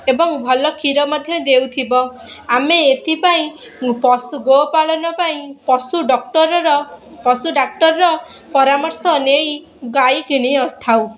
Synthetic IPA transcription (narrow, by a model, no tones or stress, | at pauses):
ebɔŋbʱɔlɔkʰiɾɔmɔd̪ʱjɔd̪ewt̪ʰibɔ | ameet̪ʰipaĩ | pɔsuɡopaɭɔnɔpaĩpɔsuɖɔk̚ʈɔɾɔɾɔpɔsuɖak̚ʈɔɾɔɾɔ | pɔɾamɔɾsɔnej | ɡajkiɽ̃iɔt̪ʰaw